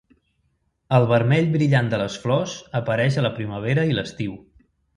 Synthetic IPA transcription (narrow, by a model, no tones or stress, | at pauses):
əlˠβəɾmɛʎβɾiʎand̪ələsflɔzəpəɾɛʃələpɾiməβ̞eɾəiləst̪iw